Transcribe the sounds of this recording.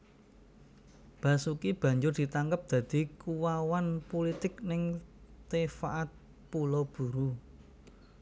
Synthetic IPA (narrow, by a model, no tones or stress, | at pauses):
b̥a̤sukib̥ä̤ɲd͡ʒʊrd̪̥i̤t̪aŋɡəp̚d̪̥ä̤d̪̥i̤kuwawanpolit̪ɪknɪŋt̪efaʔat̪̚ | pulob̥ṳɾu